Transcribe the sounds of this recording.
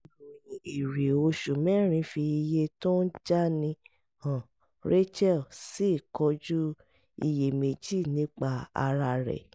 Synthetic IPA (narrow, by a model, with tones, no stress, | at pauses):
i˨ɾi˨o˧ʃu˨mɛ̃˦ɾ̃ĩ˨˧˦fi˧i˧je˧to˦n̩˦d͡ʒa˦nĩ˧ | hã˨ | ɾe˦t͡ʃɛ˦˨si˦˨kɔ˧˦d͡ʒu˦ | i˧je˨me˧d͡ʒi˦˨nĩ˨˦k͡pa˧a̰˧ɾa˧ɾɛ̰˨